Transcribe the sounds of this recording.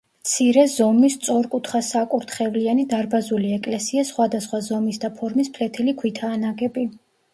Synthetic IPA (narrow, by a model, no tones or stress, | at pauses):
t̪sʰiɾɛzɔmist̪sʼɔɾkʼut̪ʰχasakʼuɾt̪ʰχɛvlianid̪aɾbazuliɛkʼlɛsiasχwad̪asχwazɔmisd̪apʰɔɾmispʰlɛt̪ʰilikʰwit̪ʰaːnaɡɛbi